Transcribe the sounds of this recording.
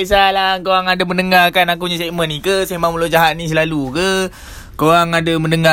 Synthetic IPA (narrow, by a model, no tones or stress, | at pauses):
esalakowaŋadamənəŋarkanak̬uuɲaseʔmə̃nːikəsemãŋməlod͡ʒaɦat̪̚nĩs̬əlalukə | kowaŋadaməndəŋa